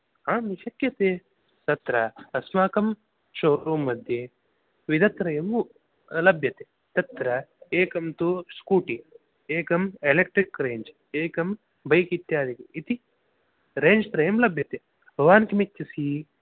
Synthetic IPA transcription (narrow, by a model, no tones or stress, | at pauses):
aːmiʃɐkjɐt̪e | t̪ɐt̪ɾɐɐsmaːkɐm | ʃoːɾɾuːmːɐd̪ʱje | ʋid̪ɐt̪ɾɐjɐm | lɐbʱjɐt̪e | t̪ɐt̪ɾɐeːkɐmt̪uskuːʈi | eːkɐmelek̚ʈɾikɾeːɲd͡ʒ | eːkɐm | bʱɐjkit̪jaːd̪ikɐit̪i | ɾeːɲd͡ʒt̪ɾɐjɐmlɐbʱjɐt̪e | bʱɐʋaːnkimitːɐsi